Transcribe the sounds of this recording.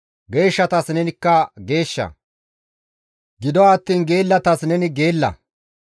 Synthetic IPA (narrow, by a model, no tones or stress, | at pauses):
ɡe̞ːʃːɐt̪ɐsnɛnɪkːɐɡe̞ːʃːɐ̰ | ɡɪd̪ɔaːt̪ːiːnɡe̞ːlːɐt̪ɐsnɛnɪɡe̞ːlːɐ̰